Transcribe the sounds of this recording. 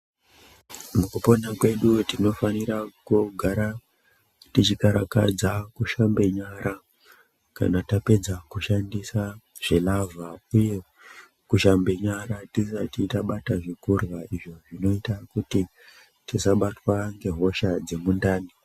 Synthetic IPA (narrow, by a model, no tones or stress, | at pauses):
mukupo̞nakwe̞ɗutino̞faniɾakuɡʱaɾa | tit͡ʃikaɾaka̰d͡zakuʃambe̞ɲaɾa | ka̰natape̞d͡zakuʃandisa | ʐ̥elavauje̞ | kuʃambe̞ɲaɾatisatitaɓataʐikurwaiʐo̞ʐino̞itakuti | tisaɓatwaŋɡe̞ɦo̞ʃad͡ze̞mundaːni